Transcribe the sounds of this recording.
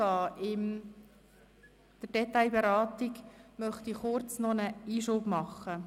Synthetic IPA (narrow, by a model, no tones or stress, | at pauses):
ɑːʔɪm | d̪̥ədɛt̪ajbeɾɑːt̪iɡmœχtiχʊɾt͡snɔnəiːʃoːb̥mɑχːə